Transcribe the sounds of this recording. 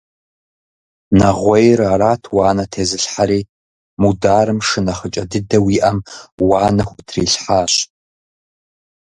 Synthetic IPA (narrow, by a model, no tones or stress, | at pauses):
nɐʁʷɔjraːɾaːtʰwaːnɐtʰeːzɨɬħaɾiː | mudaːrɨmʂɨnɐχət͡ʃʼɐdɨdɐwiːʔɐmwaːnɐxʷʊtʰriːɬħaːɕ